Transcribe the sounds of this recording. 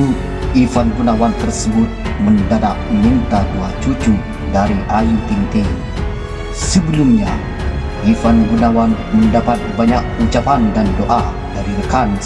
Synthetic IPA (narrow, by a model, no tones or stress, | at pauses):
ifanɡunawant̪ərsəbʊt̪̚məndadaʔmint̪aduat͡ʃut͡ʃu | daɾiʔajit̪int̪eŋ | səbəlumɲa | ʔifanɡunawan | məndapat̪̚baɲak̚ut͡ʃapandandoʔa | daɾiɾəkan